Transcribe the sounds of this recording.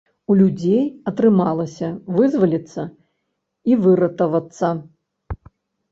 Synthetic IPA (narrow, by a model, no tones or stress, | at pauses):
ulʲud͡zʲejɐt̪ɾɨmalˠɐsʲɐvɨzvɐlʲit̪sːɐ | ivɨɾɐt̪ɐvɐt̪sːɐ